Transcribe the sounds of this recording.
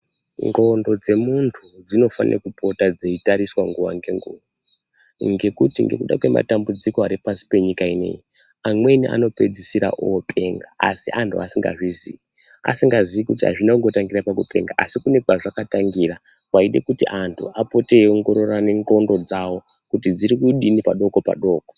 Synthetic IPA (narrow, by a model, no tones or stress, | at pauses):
ŋɡo̞ndo̞d͡ze̞muntʰud͡zino̞fa̰nḛrakupo̞tad͡ze̞itaɾiswaŋɡuʋa̰ŋɡe̞ŋɡṵːʋa | ŋɡe̞kutiŋɡe̞̰kuɗa̰kwe̞mʔa̰tambud͡zikoaɾipasi̥pe̞ɲikaine̞̰ji | amwe̞niʔa̰no̞pe̞d͡zisiɾa̰ʔopʰe̞ːŋɡaːsiʔantʰuasiŋɡa̰ʐizii | a̰siŋɡaziikutiɦa̰ʐinakuŋɡo̞taŋɡirapakupe̞̰ŋɡaʔasikune̞kwaʐakataŋɡiːra | waiɗe̞̰kutiʔantʰṵapo̞teoŋɡo̞ɾo̞raneŋrondo̞d͡zawo̞ | kutid͡ziɾikuɗinipaɗo̞ko̞pa̰ɗo̞ːko